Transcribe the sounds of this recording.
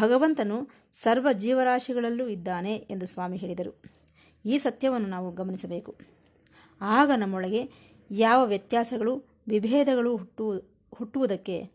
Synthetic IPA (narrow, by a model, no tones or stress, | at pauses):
bʱɐɡɐʋɐnt̪ɐnu | sɐɾʋɐd͡ʒiːʋɐɾaːʂiɡɐɭɐlːuid̪ːaːne̞end̪usʋaːmiɦe̞ːɭid̪ɐɾu | iːsɐt̪jɐʋɐnːunaːʋuɡɐmɐnisɐbe̞ːku | aːɡɐnɐmːɔɭɐɡe̞ | jaːʋɐʋjɐt̪jaːsɐɡɐɭu | ʋibʱɛːd̪ɐɡɐɭu | huʈːuʋud̪ɐkːe̞